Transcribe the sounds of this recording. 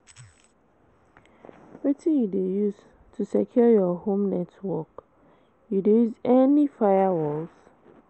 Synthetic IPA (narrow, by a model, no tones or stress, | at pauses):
wetĩjudejuz | tʰusɛkʰjɔjɔhõmnɛtwɔk | judejuzɛnifaɪjawɔlz̥